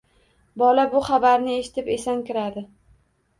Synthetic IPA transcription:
bɒlabʊχabaɾnɪe̞ʃɪ̥t̪ɪpesankʲɪɾad̪ɪ

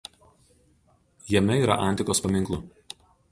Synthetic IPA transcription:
jɛmʲɛiːˑɾɐ̰ʔɐˑnʲt̪ʲɪkoːspɐmʲɪŋˑklˠʊ

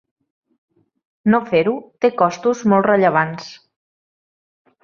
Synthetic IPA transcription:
nofeɾut̪ekɔst̪uzmɔlˠtrəʎəβ̞ans

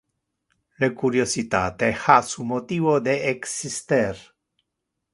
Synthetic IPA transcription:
lekuɾjosit̪a̰t̪exasumot̪ivod̪eːksist̪eɾ

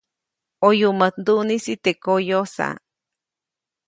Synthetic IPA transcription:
ojumət̪nd̪unisit̪ekojosa̰

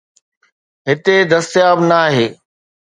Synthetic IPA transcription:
ɦɪt̪ed̪ɐst̪ijaːbnaːɦeː

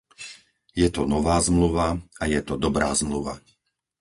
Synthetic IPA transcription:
jɛt̪ɔnɔʋaːzmluʋaajɛt̪ɔd̪ɔbɾaːzmluʋa̰

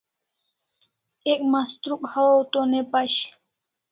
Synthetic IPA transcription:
ek̚mast̪ɾukʼhawowt̪onepaɕ

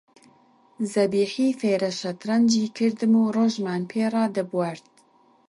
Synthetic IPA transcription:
zɐbiːħiːfeːɾɐʃɐt̪ɾɐnd͡ʒiːkʰɨɾd̪ɨmuːroːʒmaːnpʰeːrˤɑːd̪ɨbwaɾt̪̚

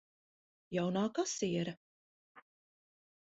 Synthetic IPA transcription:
jawnaːkasiɛɾɐ

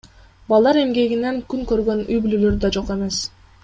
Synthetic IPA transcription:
bɑlˠd̪ɑɾe̞mɡe̞ɡineŋkyŋkø̞ɾɡø̞nyjbyløløɾd̪ɑd͡ʒo̞qe̞me̞s

